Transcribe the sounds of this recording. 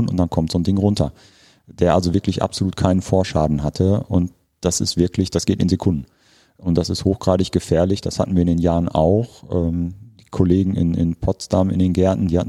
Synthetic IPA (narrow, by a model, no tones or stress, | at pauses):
nʊnt̚d̥ankʰɔmtz̥oːndɪŋʁʊntʰɐ | d̥eːɐʔalzovɪɐklɪçʔa̰pzoluːtkʰaɪnənfoːɐʃa̰ːdn̩ɦatʰəʔʊ̰nt | d̥asɪ̰stv̥ɪɐklɪçd̥asɡ̥eːtɪnzekʰʊndn̩ | ʔʊnt̚d̥asɪsthoːxɡ̥ʁaːdɪçɡ̥əfɛːɐlɪçd̥ashatn̩viːɐɪndeːnjaːʁəna̰ʊxʔɛːmd̥iːkʰoleːɡŋ̩ɪ̰nɪ̰npʰɔtstamɪ̰ndeːnɡɛɐtn̩diːhatn